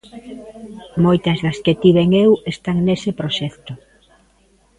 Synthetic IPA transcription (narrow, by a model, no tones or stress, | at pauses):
mojt̪ɐzðɐsket̪iβeŋewest̪aŋnesepɾoʃɛkt̪ʊ